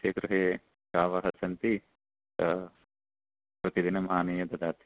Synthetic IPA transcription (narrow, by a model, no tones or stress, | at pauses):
ʃɐkɾuɦeː | kaːʋɐɦɐsɐnt̪i | ɐ | pɾɐt̪id̪inɐmaːnejɐd̪ɐd̪aːt̪i̥